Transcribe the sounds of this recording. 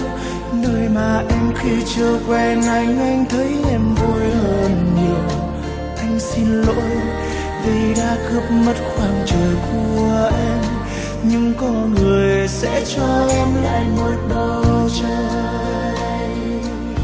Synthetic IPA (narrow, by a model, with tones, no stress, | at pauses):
nəː˧jmaː˨˩ʔɛ˧mxi˧t͡ɕɨ˧əkwɛ˧nʔa˨˩jŋ̟ʔa˧jŋ̟t̪ʰə˨˦jʔɛ˧mvu˧jhəː˧nɲi˨˩əw | ʔa˧jŋ̟si˧nlo̰˧˥j | vi˨˩ɗa̰ː˧˥kɨ˧˥əp̚mə˦˥t̚xwaː˨˩nt͡ɕəː˨˩jku˧˩əəʔɛ˧m | ɲɨ˧ŋkɔ˧nŋɨ˨˩əjjsɛ̰˧˥t͡ɕɔ˧ʔɛ˧mla̰ː˧˨jno˧˩jɗə˧˨˧t͡ɕɔ˧